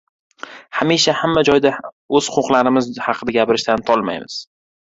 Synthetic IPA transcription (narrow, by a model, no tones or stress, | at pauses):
hamiʃahamːad͡ʒɒjd̪a | ɵz̥qʰʊqlaɾɪmɪzhɑqʰɨd̪aɡʲapɪɾɪʃt̪ant̪ʰɒlˠma̰jmɪ̰z̥